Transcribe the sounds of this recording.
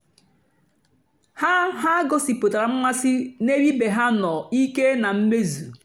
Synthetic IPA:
ha˦ɦa˦ɡo˦si˨po˨ta˨ɾa˨m̩˦ma˦si˦ne˦ɾi˦be˨ɦa˦nɔ˨i˦ke˦na˨m̩˦me˦zu˨

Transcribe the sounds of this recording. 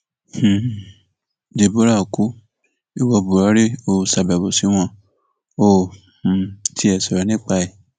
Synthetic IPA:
h̩˨ | d͡ʒe˨bo˦ɾa˦˨ku˨˦ | i˨wɔ˧˨bu˨ɾɔ˨˦ɾe˦o˦˨sa˨bɛ˨bo˨si˨˦w̃ɔ̃˧˦ | o˦˨ | h̩˨tʰi˦ɛ˨sɔ˨ɾɔ˨nĩ˦k͡pa˧ɛ˨

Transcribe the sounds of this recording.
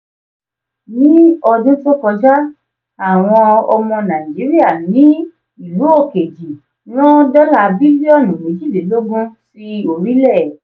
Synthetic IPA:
nĩ˦ɔ˧dĩ˦to˦kɔ˧d͡ʒa˦ | a˦˨w̃ɔ̃˧ɔ˧mɔ̃˧nã˨i˨d͡ʒi˨˦ɾi˦a˦˨nĩ˨˦ | i˨lu˨˦o˦˨ke˨d͡ʒi˨ | nɔ̃˦da˦la˦˧bi˦li˦ɔ˦˨nũ˨mĩ˨˦d͡ʒi˦˨de˨˦lo˦ɡũ˦si˧o˨ɾi˨˦lɛ˦˨

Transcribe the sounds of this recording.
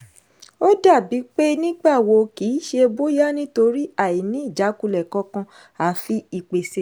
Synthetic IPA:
o˦da˦˨bi˨˦k͡pe˦nĩ˦ɡ͡ba˦˨wo˧ki˨˦ʃe˧bo˦ja˦nĩ˦to˧ɾi˦a˦˨i˨nĩ˨˦i˦˨d͡ʒa˨˦ku˧lɛ˨kɔ̃˧kã˧ | a˨fi˦i˨k͡pe˨se˨˦

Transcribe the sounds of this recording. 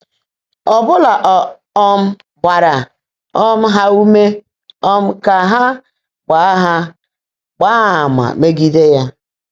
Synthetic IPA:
ɔ˨bʊ˦la˨ʔɔ˨ | ɔ˦m̩˦ | ba˨ɾa˨ | ɔ˦m̩˦ɦa˦u˦me˦ | ɔ˦m̩˦ka˨ɦa˦ | ɡ͡ba˨˦ɦa˦ | ɡ͡ba˦a˨ma̰˨me˦ɡi˦de˦ja˦

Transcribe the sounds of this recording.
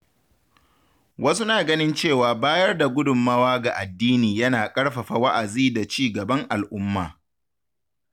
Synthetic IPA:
wɐ˦su˦naː˨ɡɐ˦nɪ˦nt͡ʃeː˦˨waː˨baː˦jɐ˦rda˨ɡʷʊ˦dʊ˨mːaː˦waː˦ɡa˨ʔa˨dːiː˦niː˨jɐ˦naː˨kʼɐ˦ɽɸɐ˨ɸa˨wɐ˦ʔa˨ziː˦da˨t͡ʃiː˦˨ɡɐ˨bɐ˦ŋʔa˨lʔʊ˦mːa̰ː˨

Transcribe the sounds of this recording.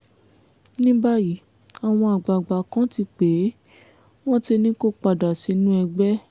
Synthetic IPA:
nĩ˦ba˦ji˨˦ | a˨w̃ɔ̃˧a˨ɡ͡ba˨ɡ͡ba˨kã˦ti˧k͡pe˨˦ | w̃ɔ̃˦ti˧nĩ˦ko˦k͡pa˨da˨si˨˧˦nũ˦ɛ˧ɡ͡bɛ˦

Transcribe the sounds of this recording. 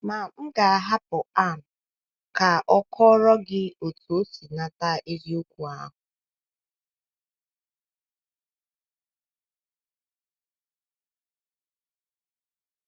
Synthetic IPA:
ma˨m̩˦ɡa˨a˨ɦa˦pʊ˨a˦˨m̩˨ | ka˨ʔɔ˦kʰɔ˦ɾɔ˦ɡɪ˦o˨tu˨o˦si˨na˦ta˦ʔi˦ɾi˦o˦kʷu˨a̰˦ɦʊ˨

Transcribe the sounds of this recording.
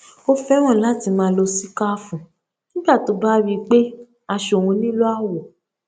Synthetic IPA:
o˦fɛ˦w̃ɔ̃˦˨la˨˦˨ti˧mãː˨˦lo˧si˦ka˦fũ˨ | nĩ˦ɡ͡ba˦˨to˧˦ba˦wi˦k͡pe˦ | a˧ʃo˨wũ˧nĩ˦lo˦a˦wɔ˨

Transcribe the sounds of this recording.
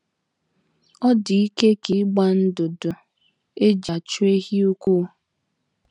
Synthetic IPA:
ɔ˦di˨i˦ke˦ki˨˦ɡ͡ba˦n̩˦dʊ˨dʊ˨ | e˦d͡ʒa˨t͡ʃu˦e˦ɦi˦u˦kʷu˦

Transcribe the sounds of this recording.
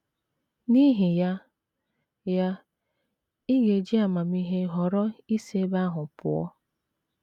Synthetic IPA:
ni˦ɦi˨ja˦ | ja˦ | i˦ɣe˨d͡ʒi˦a˨ma˨mi˦ɦe˦ɦɔ˨ɾɔ˦i˦se˦ba˦ɦʊ˨pʊ̰˨ɔ̰˦

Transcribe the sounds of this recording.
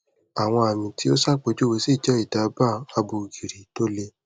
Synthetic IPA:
a˨w̃ɔ̃˧a˨mĩ˨ti˨˦o˦sa˦k͡pe˨˦d͡ʒo˦˨we˧si˦˨d͡ʒɛ˦i˨da˨˧ba˦a˧bo˧˨ɡi˨ɾi˨to˦le˧

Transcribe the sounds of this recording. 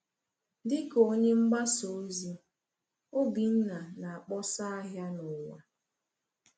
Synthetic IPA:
dɪ˦ko˦ɲe˦ŋ͡m̩˦ɡ͡ba˦so˨˦zi˦ | o˦bi˨n̩˦na˨na˨a˨k͡pɔ˦sa˦a˦ɦja˦nʊ˨wa˨

